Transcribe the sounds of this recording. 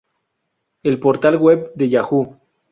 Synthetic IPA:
elpo̞ɾt̪alɣweb̚d̪e̞ʝaxu

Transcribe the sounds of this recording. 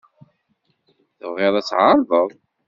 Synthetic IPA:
θəvʁɪɾˤæt͡sːʕaɾˤðˤəðˤ

